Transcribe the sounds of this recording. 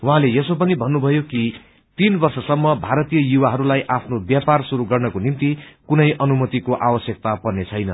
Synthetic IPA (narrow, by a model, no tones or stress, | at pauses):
wɦãlejʌsopʌnibʱʌnːubʱʌjoki | t̪inbʌrsʌsʌmːʌbʱaɾʌt̪ijʌjuwaɦʌɾulajʔapʰnobjaparsuɾuɡʌrnʌkonimt̪ikunʌjʔʌnumʌt̪ikoʔawʌsjʌk̚t̪apʌrnet͡sʰʌjnʌ